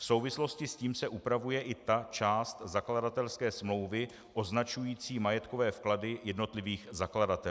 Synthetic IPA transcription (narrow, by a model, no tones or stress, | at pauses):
fso̞wvɪslo̞scɪsciːmsɛʔupɾavujɛʔɪt̪at͡ʃaːst̪zakladat̪ɛlskɛːsmlo̞wvɪ | ʔo̞znat͡ʃujiːt͡siːmajɛt̪kovɛːfkladɪjɛdno̞t̪lɪviːxzakladat̪ɛ